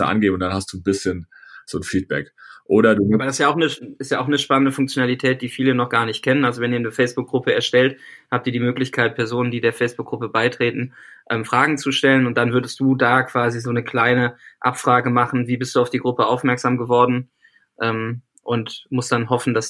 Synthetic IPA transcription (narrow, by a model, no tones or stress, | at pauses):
ə̰ʔa̰nɡeːbmʊnd̥anhast̚d̥uːnbɪsçənz̥oːnfiːt̚b̥ɛ̰kʔoːɾɐduːabadasjaːaʊxnəɪstjaːʔaʊxnəʃpanəndəfʊŋk̚t͡sjonalitʰɛːt̚d̥iːfiːlənɔχɡ̥aːɐnɪçt̚kʰɛnənʔalzovɛniːɐnəfɛɪsb̥ʊk̚ɡ̥ʁʊpəɛɐʃtɛlthaːp̚tiːɐdiːmøːklɪçkʰaɪt̚pʰɛɐzoːnəndiːdeːɐfɛɪsb̥ʊkɡʁʊpəbaɪtʁ̥eːtn̩ʔɛːmfʁ̥aːɡŋ̩t͡suʃtɛlənʊnt̚d̥anvʏɐdəstd̥uːdaːkv̥aːzizoːnəkʰl̥aɪnəʔapfʁ̥aːɡəmaχn̩viːbɪstd̥uːaʊfd̥iːɡʁʊpəʔaʊfmɛɐkz̥aːmɡəvɔɐdn̩ | ʔɛːm | ʔʊntmʊst̚d̥anɦɔfn̩das